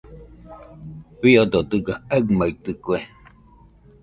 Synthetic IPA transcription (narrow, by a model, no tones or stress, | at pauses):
βiod̪od̪ɨɡaaɡmait̪ɯkue